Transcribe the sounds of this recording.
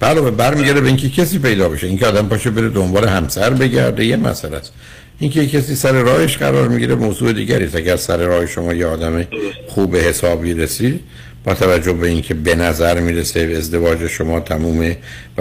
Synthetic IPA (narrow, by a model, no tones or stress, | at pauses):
b̥ælobebæɾmiːɡæɾebeiŋnkʲʰecʰesiːpe̞jd̪ɒːbe̞ʃeiŋcʰeɒːd̪æmpɒːʃebe̞ɾed̪o̞mbɒːle̞hæmsæɾbe̞ɟæ̰ɾd̪ejemæ̰sælæ̰st̪ | ʔiŋkʰejekcʰesiːsæɾe̞ɾɒːheʃɢæ̰ɾɒ̰ːɾmiɟiɾemoːzuːe̞d̪iːɡæɾiːst̪æɡæɾsæɾeɾɒːheʃomɒːjeɒːd̪æmexuːbe̞he̞sɒːbiːɾesiːd̪ | b̥ɒːt̪ʰævæd͡ʒːohbe̞iːnkʰe̞be̞næzæɾmiːɾeseːzd̪e̞vɒːd͡ʒeʃomɒːt̪ʰæmuːme